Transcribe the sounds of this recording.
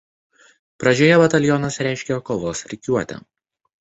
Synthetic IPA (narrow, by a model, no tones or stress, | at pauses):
pɾɐd͡ʒʲoːjɛbɐt̪ɐlʲjɔnɐsɾʲæˑɪʃʲkʲɛkoːʋoːsɾʲɪkʲuɔt̪ʲɪ̰